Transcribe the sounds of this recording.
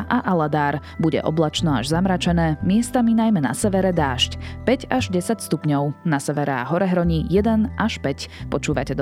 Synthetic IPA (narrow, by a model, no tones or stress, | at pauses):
ʔaʔalad̪aːɾ | buɟɛ̰ʔɔ̰blat͡ʃnɔa̰ʒzamɾat͡ʃɛnɛːmɪɛst̪aminajmɛna̰sɛʋɛɾɛd̪aːʃcpɛɟaʒɟɛsacst̪upɲɔʊnasɛʋɛɾɛa̰ɦɔɾɛɦɾɔɲijɛd̪ɛnʔaʃpɛcpɔt͡ʃuːʋa̰cɛd̪